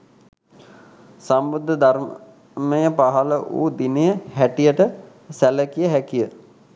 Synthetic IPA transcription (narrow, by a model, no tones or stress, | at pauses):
sambud̪ʱːəd̪ʱaɾ | mejəpaɦaləʔṵːd̪inejəɦæʈijəʈə | sæləkijəɦækijə